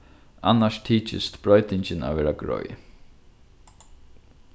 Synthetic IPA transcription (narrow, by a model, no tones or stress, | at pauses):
anːaʂt̪ʰiːt͡ʃɪ̰st̪b̥ɹɔjt̪ɪɲt͡ɕɪna̰ʋɛːɾaɡɾɔ̰j